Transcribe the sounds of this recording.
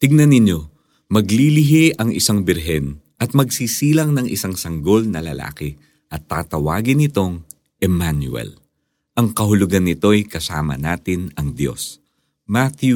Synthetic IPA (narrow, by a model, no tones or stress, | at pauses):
t̪ɪɡ̚nɐnɪnjo̞ | mɐɡlilɪɦiʔɐŋɪ̰saŋbɪɾɦɛn | ʔɐt̪̚mɐɡsiːsiːlɐŋnɐŋʔɪ̰saŋsɐŋɡo̞lnɐlɐ̰la̰ːkɪ | ʔɐt̪ːa̰ːt̪ɐwa̰ːɡɪnɪt̪o̞ŋ | ʔɛmanjʊ̰ɛ̰l | ʔɐŋkɐɦʊlʊɡanːɪt̪o̞jkɐsaːmɐ̰naːt̪ɪnɐŋd̪jo̞̰s | mat̪ju